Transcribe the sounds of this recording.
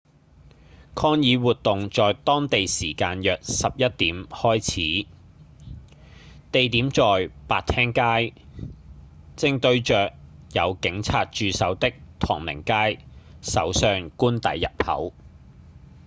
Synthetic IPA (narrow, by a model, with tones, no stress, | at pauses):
kʰɔː˥ŋjiː˨˧wuː˨t̚t̪ʊ˨ŋt͡sɔː˨jt̪ɔː˥ŋt̪e˨jsiː˨˩kaː˧njœː˨k̚sɐ˨p̚jɐ˥t̚t̪iː˨˥mhɔː˥jt͡sʰiː˨˥ | t̪e˨jt̪iː˨˥mt͡sɔː˨jpaː˨t̚t̪ʰɛː˥ŋkaː˥j | t͡sɪ˧ŋt̪ɵ˧ɥt͡ʃœː˨k̚jɐ˨˧wkɪ˨˥ŋt͡sʰaː˨t̚t͡ʃyː˨˧sɐ˨˥wt̪ɪ˥k̚t̪ʰɔ̰ː˨˩ŋlɪ̰˨˩ŋkaː˥jsɐ̰˨˥wsœː˧ŋkuː˥nt̪ɐ˨˥jːɐ˨p̚hɐ̰˨˥w